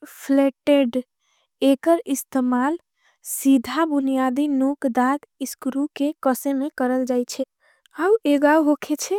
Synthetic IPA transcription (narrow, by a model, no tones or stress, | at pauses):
pʰleʈeɖ | ekəɾist̪emal | sid̪ʱabunijad̪inokd̪aɾiskɾukekəsemekəɾəld͡ʒajt͡ʃʰɛ | aueɡauɦokʰet͡ʃʰɛ